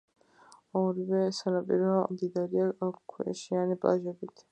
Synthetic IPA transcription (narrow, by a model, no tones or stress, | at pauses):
ɔɾivɛsanapʼiɾɔmd̪id̪aɾiakʰwɛ̰ʃianipʼa̰ʒɛbit̪ʰ